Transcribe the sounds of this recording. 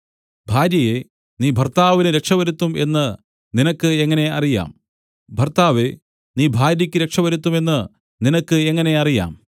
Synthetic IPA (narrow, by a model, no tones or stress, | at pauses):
bʱaːɾjɐje̞ | niːbʱɐrt̪aːʋinɨɾe̞kʂɐʋɐɾut̪ːume̞̰nːɨ | ninɐkːɨeŋːɐne̞ɐ̰rija̰ːm | bʱɐrt̪aːʋe̞ | niːbʱaːɾjɐkʲːɨɾe̞kʂɐʋɐɾut̪ːume̞nːɨ | ninɐkːɨe̞ŋːɐne̞ɐrija̰ːm